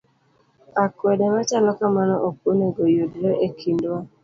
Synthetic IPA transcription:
akwɛdɛmat͡ʃalɔkamanɔʔok̚oneɡojodɾoʔekʰindwa

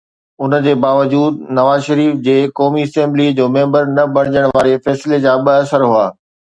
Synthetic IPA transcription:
ʊnd͡ʑeːbaːʋəd͡ʑuːd̪̚nɐʋaːzʃɐɾiːfd͡ʑeːkɔːmiɐsẽːmblid͡ʑoːmẽːmbəɾnɐbɐɽɪd͡ʑəɽ̃ʋaːɾefɛːsled͡ʑaːɓəɐsəɾɦʊaː

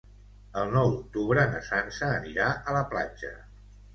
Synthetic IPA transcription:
əlˠnɔwd̪uk̚t̪uβɾənəsansəːniɾaʔələpla̰d͡ʒə̰

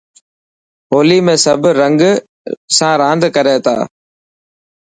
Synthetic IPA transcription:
ɦoːliːmẽːsəbʱɾəŋɡ | sãːɾãːnd̪ʱkəɾeːt̪ʰa̰ː

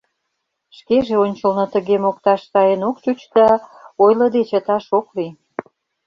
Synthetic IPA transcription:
ʃkeʒeonʲt͡ɕə̆lnŏt̪ə̆ɣemok̚t̪ɑʃsɑjənokt͡ɕut͡ɕd̪ɑojlə̆d̪et͡ɕət̪ɑʃokli

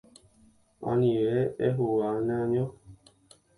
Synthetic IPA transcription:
a̰niwɛɛɦowanaɲɔ

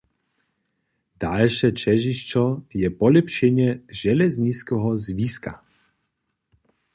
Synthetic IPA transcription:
d̪̥alʃɛt͡ʃɛʒiʃt͡ʃɔjɛpɔlɛpʃɛɲɛʒɛlɛzɲit͡skɛɦɔzviska̰

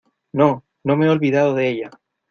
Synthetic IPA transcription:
nõ | nõmeeolβiðaðoðeeʎa

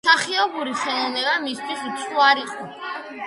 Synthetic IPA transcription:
saχiɔbuɾiχɛnɔvnɛbamist̪ʰwist̪sʰuaɾiqʼɔ

